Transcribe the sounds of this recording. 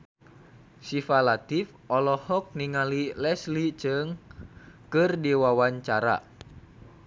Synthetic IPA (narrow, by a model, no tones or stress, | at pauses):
sifalat̪if | ɔlɔhɔk̚niŋalilɛslit͡ʃɨŋ | kɨrdiwawaɲt͡ʃaɾa̰